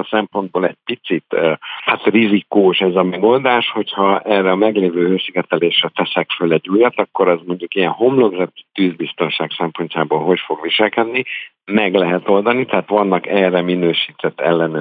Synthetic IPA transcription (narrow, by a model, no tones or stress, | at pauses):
sɛmpo̞nd̪̚boːlɛɟ̥̚pit̪sit̪ːhat̪rizikuːʃɛzɒmɛɡo̞ld̪aːʃho̞chɒɛrːɛɒmɛɡleːvøːhøːsiɡɛt̪ɛleːʃrɛt̪ɛsɛkfølɛɟːujɒt̪ɒkːo̞ɾɛzmo̞ɲɟukijɛnɦo̞mlo̞ɡrɛtt̪yːzbist̪o̞nʃaːksɛmpo̞ɲcaːboːlɦo̞cfo̞ɡʋiʃɛlkɛd̪ni | mɛɡlɛɦɛt̪o̞ld̪ɒnit̪ɛɦaːt̪ʋɒnːɒkɛːrɛminøːʃiːt̪ɛt̪ːɛ̰lːɛnø